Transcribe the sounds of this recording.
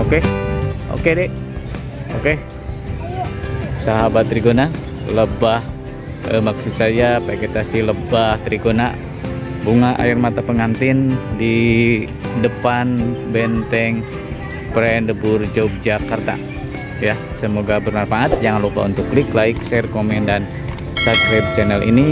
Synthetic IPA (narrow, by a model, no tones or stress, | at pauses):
okeo̰kedɛ | oke | saɦabat̪ːɾiɡona | ləbah | əmaksut̪̚sajapaiket̪asihləbaht̪ɾiɡona | buŋaʔa̰irmat̪apəŋant̪ɪndi | dəpanbɛnt̪ɛŋ | pɾɛndəbʊrd͡ʒob̚d͡ʒakart̪a̰ | ja | səmoɡabəɾmanfaat̪̚d͡ʒaŋanlupa̰ṵnt̪ukliklaiksɛrkomɛndan | saɡɾɛb̚t͡ʃɛnɛlʔḭni